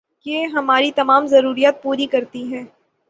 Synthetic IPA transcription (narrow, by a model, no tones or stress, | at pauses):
jeːɦɐmaːɾit̪ɐmaːmzɐɾuːɾijaːt̪̚puːɾikɐɾt̪iɦɛ̃ː